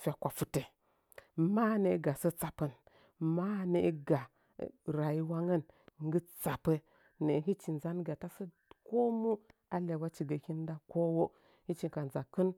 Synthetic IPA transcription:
fʲa˨kʷa˨fu˨te˨ | ma˦ne˨˦ɡa˨sə˦t͡sa˨pə˨n | ma˦ne˨˦ɡa˨ | ɾa˨ji˦wa˦ŋə˦nŋ˦ɡə˦t͡sa˨pə˦ | ne˨ɦi˦t͡ʃi˨nza˦nɡa˨ta˦sə˦ | ko˦mu˦ | a˦le˨wa˦t͡ʃi˨ɡə˨ki˦n˦da˦ko˦wo˦ | hi˦t͡ʃi˨ka˨nza˨kə˦n

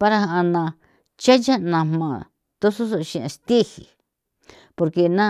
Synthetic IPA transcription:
pa˧ɾa˧ha˧ʔa˧nã˧ | t͡ʃa˦ja˦nã˧mmã˨ | t̪o˦su˦so˧ʃĩ˧ã˧st̪i˦hḭ˨ | po˧ɾke˧nã˦

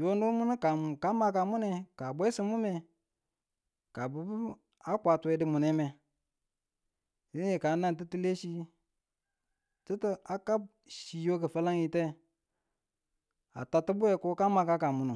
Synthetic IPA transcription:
jo˦ndu˦mu˦nu˦ka˨ka˦ma˦k̬a˨mu˦ne˨ka˨bʷe˦si˦mu˦me˨ | ka˨bu˨b | a˦kʷa˨tu˨we˨˦di˦mu˨ne˦me˨ | ji˦e˨ka˨˦na˦nt̬i˦ti˦le˦ʃi˦ | ti˦ti˦a˨ka˦b̚ | ʃi˨jo˦k̬ə˨fa˦la˦ŋi˨te˦ | a̰˨ta˨ti˦bu˦e˨ko˦ka˦ma˨ka˦ka˨mu˨nu˨

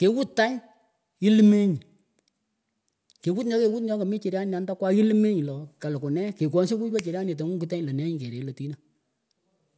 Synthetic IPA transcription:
ke˨˦wu˦ttːa˦ɲ | i˦lme˦ɲi˨ | ke˨wu˦tnɔ˦ke˨wu˦t̬nɔ˨˦kɔ˨mi˦t͡ʃɪ˨ɾja˦na˨˦nda˦kwa˦i˦lme˦ɲi˨lɔ˨ka˨lkʊ˨nɛ˦ke˨k̬wɔ˨˦nsi˦ku˦pa˦t͡ʃɪ˨ɾja˦ne˨t̬o˨˦ŋu˦ku˦tɛ˦ɲlə˨nɛ˦ɲi˨ke˨ɾe˨lo˨ti˦na˨

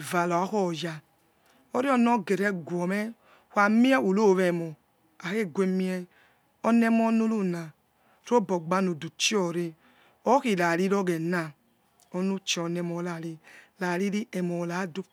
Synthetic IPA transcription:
va˨la˨˦xɔ˦˨ja˧ | o˦ɾi˦ɔ˦nɔ˦ɡe˨ɾɛ˨˦ɡʷɔ˨mɛ˦ | hʷa˨mi˦ɛ˦u˨lo˦˨βɛ˨mɔ˨ | a˨ke˦˨ɡʷe˧mi˦ɛ˧ | ɔ˧nɛ˦mɔ˦nu˦lu˦na˨ | ɾo˦bɔ˨ɡ͡ba˧no˨du˨t͡ʃi˦ɔ˨ɾe˧ | ɔ˦ki˨la˨ɾi˦ɾɔ˦ɡɛ˨na˨ | ɔ˧nu˦t͡ʃɛ˨ɔ˨nɛ˧mɔ˨˦la˨ɾi˧la˨ɾi˦ɾi˦ɛ˨mɔ˨la˨˦du˦

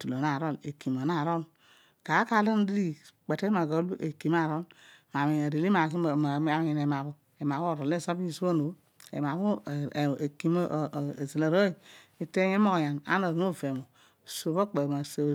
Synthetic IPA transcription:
tu˨lo˨na˨ɾo˦˨lḛ˨ki˨ma˨na˦˨ɾo˦l | ka˨˦ka˦la˦n˦dɾi˦k͡pe˨te˦ma˨ɡo˦ʔe˨ki˨m˦a˦˨ɾo˦lma˨mi˨na˨ɾi˨li˦ma˨ki˦˨˦a˨˦mi˨ne˨ma˨bo˦ | e˨ma˨bo˦˨ɾo˨le˦˨so˦bi˦˨su˦o˦no˨˦ | ḛ˨m˨a˨βu˦˨e˨ki˨m˦˨zi˨la˨ɾo˦i˨i˨te˦e˦mo˦kja˨na̰˦no˨mo˦˨ve˨mo˨ | so˨βo˦k͡pe˨ma˨so˨

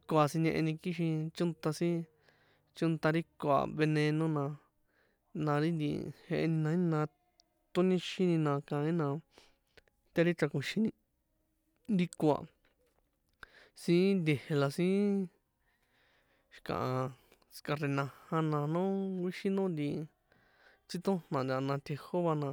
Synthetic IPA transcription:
ko˧a˧si˧ɲẽ˧ʔe˧nĩ˧ki˦ʃ̬ĩ˧t͡ʃu˦nt̪a˧sĩ˦ | t͡ʃu˦nt̪a˧ɾi˦ko˧a̰˨βe˧nẽ˧nõ˦nã˧ | nã˧ɾi˦nd̪ḭ˧he˧e˧nĩ˧nã˧˦ĩ˧nã˧ | t̪u˦nĩ˦ʃi˦nĩ˧nã˧kã˨˧ĩ˦nã˧ | t̪e˦ɾi˦t͡ʃa˧kũ˧ʃi˧nĩ˧ | ɾi˧ko˧a̰˧˨ | sĩ˦nd̪ʲe˧he˧la˧sĩ˦ | ʃi̥˧kã̰˨ʔã˧ | ska˧re˧nã˧hã˧nã˧nõ˦ɡʷi˦ʃi˦nõ˦nd̪i˧ | t͡si˦t̪õ˦n̥nã˨nd̪ʲa˧˨˧nã˧t̪ʲʰe˧ho˦βa˧nã˧

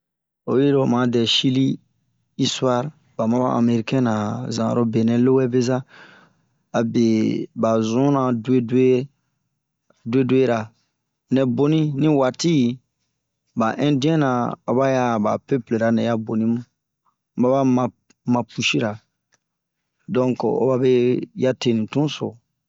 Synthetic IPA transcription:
o˨je˦ɾo˨mã˨dɛ˨ʃi˦li˦ | i˦sa˦ɾ | ba˨mã˦bã˦ʔã̰˨me˨ɾi˨kɛ̃˦nã˨zã˨ɾo˨˦be˨nɛ̃˨lo˦wɛ˦be˦za˦ | a˨be˨ba˨zũ˦nã˨dwe˦de˦ | de˦de˦ɾa˨ | nɛ̃˨bo˦nĩ˦nĩ˦wa˨ti˦˨ | ba˨ʔɛ̃˦dĩ˦ɛ̃˦nã˨o˨ba˦ja˦˨ba̰˨pe˦ple˨ɾa˨nɛ̃˨ja˦bo˨nĩ˦mũ˦ | ba˦ba˦mã˨ | mã˨pu˨ʃi˦ɾa˨ | dɔ̃˦ŋko̰˦ba˦be˦ja˦te˦nĩ˨tũ˦so̰˨

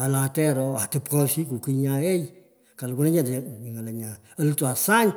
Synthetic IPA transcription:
a˨la˨tɛ˦ɾɔ˦a˨tɨ˧pkɔ˦si˦ku˨kɨ˧˦ɲã˧˦e˦i˦ | ka˨lɡu˦na˦ɲa˦˨de˨i˨ŋa˨lə˨ɲã˨ | ə˦lɨ˦tu˨a˨sa˦ɲ

